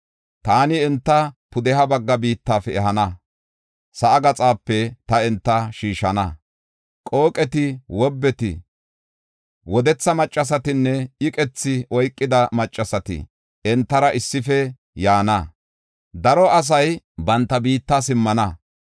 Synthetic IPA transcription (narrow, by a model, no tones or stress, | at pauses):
t̪aːnɪɛnt̪ːɐpʊd̪ɛɦɐbɐɡːɐbiːt̪ːaːfɛɛɦɐnɐ | sɐʔɐɡɐt͡sʼaːpːɛt̪ɐɛnt̪ːɐʃiːʃɐnɐ | kʼo̞ːkʼɛt̪ɪwɔbːɛt̪ɪ̰ | wɔd̪ɛt͡sːɐmɐt͡ʃʼːɐs̬ɐt̪ɪnːɛɪkʼɛt͡sːɪʔɔjkʼːɪd̪ɐmɐt͡ʃʼːɐsɐt̪ɪ̰ | ɛnt̪ːɐɾɐʔɪsːɪfɛ | jaːnɐ | d̪ɐɾɔʔɐs̬ɐj | bɐnt̪ːɐbiːt̪ːɐsɪmːɐnɐ